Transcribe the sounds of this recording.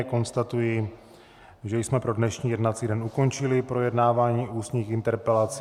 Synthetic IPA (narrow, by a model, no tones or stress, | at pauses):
ko̞nst̪at̪ujɪ | ʒɛjsmɛpɾo̞dnɛʃɲiːjɛdnat͡siːdɛnuko̞nt͡ʃɪlɪpɾo̞jɛdnaːvaːɲiːuːsɲiːxɪnt̪ɛɾpɛlat͡s